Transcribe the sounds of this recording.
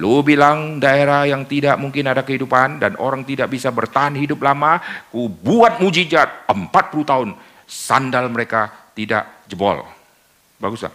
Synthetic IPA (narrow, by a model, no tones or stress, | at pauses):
lobilaŋdaeɾahjaŋt̪idaʔmuŋkɪnadakəɦidupandanʔoɾaŋt̪idaʔbisabərt̪aɦanɦidʊp̚lamakubuat̪̚mud͡ʒid͡ʒat̪̚əmpat̪̚pulut̪aʊn | sa̰ndalməɾekat̪ida̰ʔd͡ʒəbɔ̰l | baɡusla̰